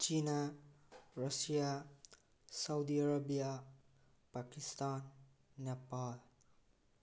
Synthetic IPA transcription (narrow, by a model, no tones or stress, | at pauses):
t͡ʃina | ɾasija | sawdiaɾabija | pakistanː | epal